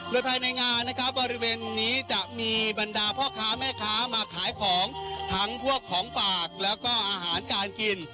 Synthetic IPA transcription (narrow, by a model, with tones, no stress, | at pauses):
ɾu˧nt̪ʰa˧jna˧jŋaː˧nːa˦˥kʰa˦˥p̚bɔː˧ɾi˦˥weː˧nːiː˦˥t͡ɕa˨˩ʔmiː˧ba˧ndaː˧pʰɔː˥˩kʰaː˦˥mɛː˥˩kʰaː˦˥maː˧kʰaː˩˦jkʰɔː˩˦ŋt̪ʰa˦˥ŋpʰu˥˩əkʰːɔː˩˦ŋfaː˨˩k̚lɛː˦˥wkɔː˥˩ʔaː˧ɦaː˩˦nkaː˧nki˧n